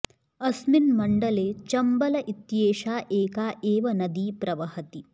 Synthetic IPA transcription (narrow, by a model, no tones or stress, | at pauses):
ɐsminmɐɳɖɐleːt͡ʃɐmbɐlɐʔit̪jeːʃaːʔeːkaːʔeːʋɐnɐd̪iːpɾɐʋɐɦɐt̪i